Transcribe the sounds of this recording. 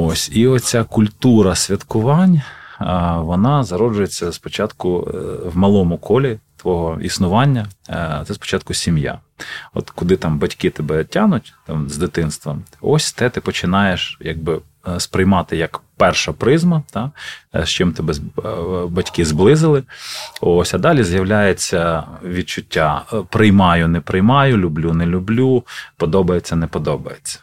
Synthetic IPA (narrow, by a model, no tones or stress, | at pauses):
osʲiɔt͡sʲakʊlʲt̪uɾɐsʲʋʲɐt̪kʊʋɑnʲ | ʋɔnɑzɐɾɔd͡ʒʊjet͡sʲːɐspɔt͡ʃɑt̪kʊʋmɐlˠɔmʊkʰɔlʲit̪ʋɔɦɔḭsnʊʋɑnʲːɐt̪sɛspɔ̥t͡ʃɑt̪̚kʊsʲimja̰ | ɔ̰t̪kʊd̪ɪt̪ɑmbɐtʲkɪt̪ɛbɛtʲanʊtʲt̪ɑmzd̪ɪt̪ɪnst̪ʋɐmɔsʲt̪ɛt̪ɪpɔt͡ʃɪnɑjeʃjɐ̰ɡ̚bɪ | spɾɪjmɑt̪ɪjɐkpɛrʃɐpɾɪzmɐt̪ɑʃt͡ʃɪmt̪ɛbɛ | bɐtʲkɪzblˠɪzɪlˠɪɔsʲɐd̪ɑlʲizjɐwlʲajet͡sʲːɐʋʲid̪̚t͡ʃʊtʲːapɾɪjmɑjʊnɛpɾɪjmɑjʊlʲʊblʲunɛlʲʊblʲupɔd̪ɔbɐjet͡sʲːɐnɛpɔd̪ɔbɐjet͡sʲːɐ̥